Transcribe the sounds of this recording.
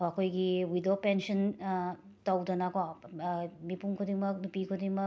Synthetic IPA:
ɐkʰojɡiwidopensɐn | tɐwdɐnakwa | mipuŋkʰudiŋmɐk̚nupikʰudiŋmɐ

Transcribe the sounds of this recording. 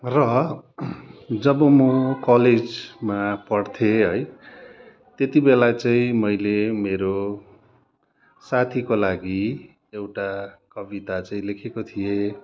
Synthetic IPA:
rʌ | d͡zʌbʌmʌkʌled͡zmapʌɽt̪ʰeɦʌj | t̪et̪ibelat͡saĩmʌjlemeɾo | sat̪ʰikolaɡi | ewʈakʌbit̪at͡saĩlekʰekot̪ʰije

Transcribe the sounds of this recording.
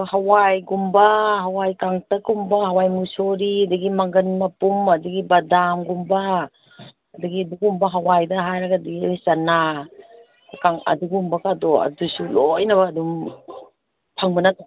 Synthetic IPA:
hɐwajɡumbɐɦɐwajkaŋtɐkumbɐhɐwajmusoɾiɐdɐɡimɐɡɐnmɐpumɐduɡibɐdamɡumbɐ | dɐɡiɐduɡumbɐɦɐwajdɐɦajɾɐɡadiɡisɐna | kaŋɐ̰duɡumbɐkadoɐ̰dusulojnɐbɐːdum | pʰaŋbɐnɐt

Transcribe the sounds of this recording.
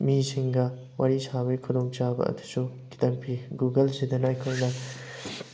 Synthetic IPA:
misiŋɡɐ | waɾisaβɐɡikʰudɔŋt͡ʃabɐ̰ɐ̰dusuki̥tɐŋpʰiɡuɡɐlsidɐnajkʰolnɐ

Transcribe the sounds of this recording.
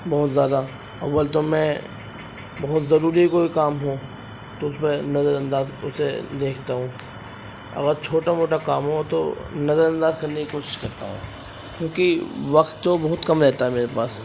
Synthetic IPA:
bɐɦʊt̪zjaːd̪a | ɐʋːəlt̪omɛ̃ | bɐɦʊt̪zɐɾuːɾikoːikaːmɦũ | t̪oʊspenɐzəɾɐ̃nd̪aːzʊ̰sed̪eːkʰt̪aɦũː | ɐ̰ɣəɾt͡ʃʰoːʈamoːʈakaːmɦot̪o̰nɐzəɾɐ̃nd̪aːzkɐɾnekikoːʃɪ̥ʃkɐɾt̪a̰ɦṵ̃ː | kjõːkiʋɐqt̪ːobɐɦʊt̪kɐmɾɛɦt̪aɦɛmeːɾepaːs

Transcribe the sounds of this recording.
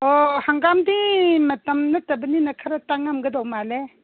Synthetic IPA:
ohaŋɡamdimɐtɐmnɐtɐbɐninɐkʰɐɾɐtaŋamɡɐdowmale

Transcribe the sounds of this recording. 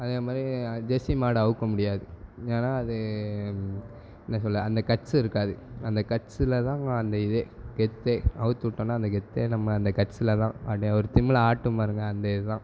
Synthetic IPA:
ɐðeːmaːd̪ɾid͡ʒesimaːɽɐɐʋɯkːɐmʊɽɪjaːðɯeːnaːɐðɯ | ɛnːɐsɔlːɛɐnd̪ɐkɐʈt͡ʃɯɪɾɯkːaːðɯɐnd̪ɐkɐʈsɯlɐt̪ãːɐnd̪ɐɪðeːɡɛt̪ːeːɐʋɯt̪ːuʈːõːnːaːɐnd̪ɐɡɛt̪ːeːnɐmːɐːnd̪ɐkɐʈsɯlɐt̪ã̰ːɐpːɽɪɐɔɾɯt̪ɪmɪɭɐaːʈːɯmaɾɯŋɡɐːnd̪ɐɪðɯt̪ãː

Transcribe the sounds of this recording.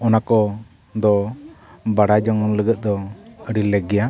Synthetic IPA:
ɔnakɔ | d̪ɔ | baɽad͡ʒɔŋɔnləɡət̪̚ˀd̪ɔəɽilɛɡɛja

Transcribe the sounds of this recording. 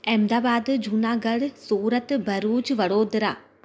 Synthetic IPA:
ɛːmd̪aːbaːd̪d͡ʒunaːɡəɽsuːɾət̪bɐɾuːd͡ʒʋɐɽoːd̪ɾaː

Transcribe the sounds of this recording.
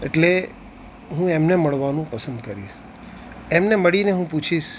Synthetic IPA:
ḛʈle | ɦũemneməɭʋanũpəsə̃nd̪kəɾiʃ | emneməɭineɦũput͡ʃʰiʃ

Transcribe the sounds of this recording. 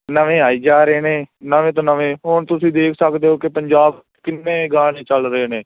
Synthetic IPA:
nəʋẽːaːiːd͡ʒaːɾeːneːnəʋẽːt̪̬õːnəʋẽːɦʊɳt̪ʊsĩːd̪eːkʰsəkd̪eːoːkepəɲd͡ʒaːb | kɪnːẽːɡaːɽ̃eːt͡ʃəlɾeːneː

